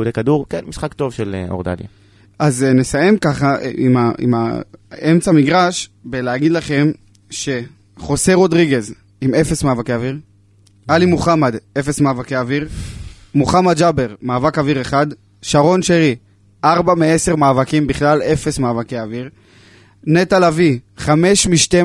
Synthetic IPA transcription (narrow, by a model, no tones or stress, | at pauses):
ud̪ekaduʁkenmisχakt̪o̞vʃeloʁd̪a̰lja̰ | ʔaznesaje̞mkaχaimaʔḭma̰e̞mt͡samiɡʁaʃbeleaɡidlaχe̞m | ʃe̞ | χo̞seʁo̞d̪ʁiɡe̞z | imefe̞smaːvakeaviʁ | alimuχamad̪e̞fe̞smaːvakeaviʁmuχamad̪d͡ʒabe̞ʁmaːvakaviʁeχad̪ | ʃaʁo̞nʃeʁi | ʔaʁbamee̞se̞ʁmaːvakimbiχlale̞fe̞smaːvakeaviʁ | ne̞t̪alaviχame̞ʃmiʃt̪e